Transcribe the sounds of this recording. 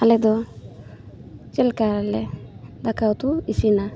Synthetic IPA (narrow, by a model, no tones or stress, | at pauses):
alɛd̪ɔ | t͡ʃelkaɾaled̪akawt̪uisina